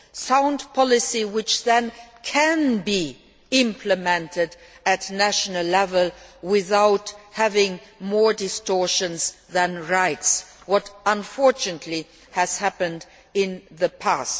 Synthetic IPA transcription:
sãʊ̃ndpʰɑlɪsiwɪt͡ʃðɨ̃nkʰɨ̃nbi | ɪ̃mpʰləmɛ̃ntɪd | ɨtnæʃnəl̩lɛvəlˠwɪθaʊthævɪ̃ŋmɔɹdɪstɔɹʃɨ̃nzðə̃nɹaɪtswʌɾə̃ɱfɔɹt͡ʃɨnətʰˡli | hɨz̥hæpɨ̃nd | ɪ̃nðəpʰæst

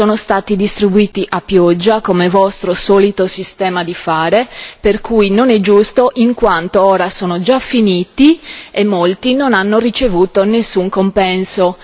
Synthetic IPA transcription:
soːnost̪aːt̪id̪ist̪ɾibuiːt̪iʔapːjɔd͡ʒːakomevɔst̪ɾosɔːlit̪osist̪ɛːmad̪ifaːɾeperkujnonɛd͡ʒust̪oʔiŋkwant̪oɔːɾasoːnod͡ʒafːiniːt̪iemːolt̪inonanːorit͡ʃevuːt̪onesːuŋkompɛnso

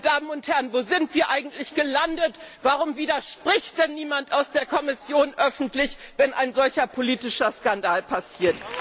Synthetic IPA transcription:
d̥aːmənʊnthɛʁənvoːzɪntv̥iːɐʔaɪɡŋ̩tlɪçɡ̥əlandətv̥aʁʊmviːdɐʃpʁ̥ɪçt̚d̥ɛnːiːmantaʊsd̥eːɐkʰɔmɪsjoːnʔœfn̩tlɪçvɛnʔaɪnzɔlçɐpʰoliːtɪʃɐskandaːlpʰasiːɐt

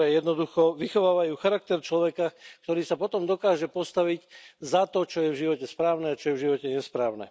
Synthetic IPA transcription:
ɾɛːjɛd̪nɔd̪uxɔʋixɔʋaːʋajuːxaɾak̚t̪ɛɾt͡ʃlɔʋɛkakt̪ɔɾiːsapɔt̪ɔmd̪ɔkaːʒɛpɔst̪aʋiczat̪ɔt͡ʃɔjɛvʒiʋɔcɛspɾaːʊnɛat͡ʃɔjɛvʒiʋɔcɛɲɛspɾaːʊnɛ̰

